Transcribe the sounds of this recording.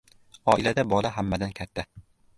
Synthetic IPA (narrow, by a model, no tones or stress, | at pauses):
ɒʔɪlad̪abɒlˠaɦamːad̪ankʲʰat̪ʰːa